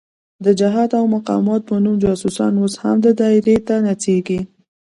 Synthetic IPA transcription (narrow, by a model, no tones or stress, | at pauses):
d̪əd͡ʒɪɦɑd̪awmaqɑ̰mɑt̪̚pənumd͡ʒɑsusɑ̰nosha̰md̪əd̪ɑɪɾet̪anat͡seɡi